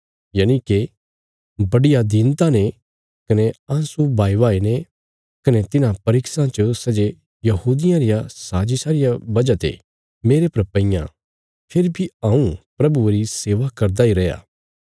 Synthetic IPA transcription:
jɐːnike | bɐɽɪjad̪int̪ane | kɐneãːsubʱaːiʋaːine | kɐnet̪ɪnãpɐɾɪksãt͡ʃosɐd͡ʒe | jɐɦuːd̪ɪjãɾɪjasaːd͡ʒisaːɾɪjabɐd͡ʒat̪ḛ | meːɾepɐɾpɐ̃ɪ̃jã̰ | pʰɪɾbʱiɐ̃ːũpɾɐbueɾiseːʋakɐɾd̪aiɾɐja̰

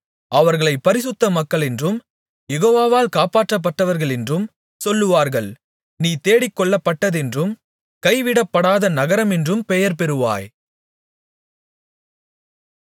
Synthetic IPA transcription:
ɐʋɐɾɣɐɭɐɪpːɐɾɪs̬ɯt̪ːɐmɐkːɐɭɛndrɯm | jɛɣoːʋaːʋaːlkaːpaːʈrɐp̬ːɐʈːɐʋɐɾɣɐɭɛndrɯm | sɔlːɯʋaːɾɣɐɭ | niːt̪eːɽɪkːɔɭːɐpːɐʈːɐðɛndrɯm | kɐɪʋɪɽɐpːɐɽaːðɐnɐɣɐɾɐmɛndrɯmpɛjɐɾpɛɾɯʋa̰ːj

